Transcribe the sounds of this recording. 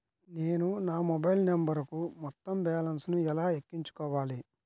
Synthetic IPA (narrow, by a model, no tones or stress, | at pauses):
neːnunaːmɔbɐjlnembɐɾkumɔt̪ːɐmbɛːlɐnsnuɛlaːekːiɲt͡ʃu̥kɔːʋaːli